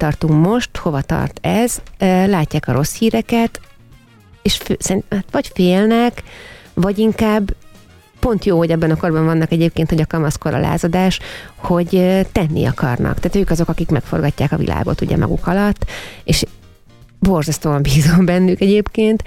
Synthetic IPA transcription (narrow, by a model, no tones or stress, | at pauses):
t̪ɒrt̪ummo̞ʃt̪ho̞vɒt̪ɒ̰rt̪ɛzlaːcːaːkɒɾo̞shiːɾɛkɛt̪ | eʃfsɛɾint̪mat̪ʋɒɟfeːlnɛkvɒɟiŋkaːbː | po̞nt̪joːho̞ɟɛbːɛnɒko̞rbɒɱvɒnːɒkɛɟeːp̚keːnt̪ho̞ɟɒkɒmɒskoɾɒ̰lʔa̰ːzɒd̪aːʃho̞ɟt̪ɛnːḭɒkɒ̰rnɒ̰k̚t̪aːt̪øːkɒzo̞kɒkikmɛkfo̞̰rɡɒcːaːkɒvḭlʔa̰ːɡo̞̰t̪ṵɟɛ̰mɒ̰ɡṵkʰɒlɒt̪ːeːʃ | bo̞rzɒst̪oːɒmbiːzombɛnːykɛɟeːpkeːnt̪